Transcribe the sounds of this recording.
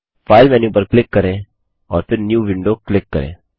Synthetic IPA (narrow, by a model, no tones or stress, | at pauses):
faːɪlmɛːnjuːp̬əɾklɪkːɐɾẽ | ɔːɾpʰɪɾnjuːʋɪ̃ɳɖoklɪkːɐ̰ɾḛ̃ː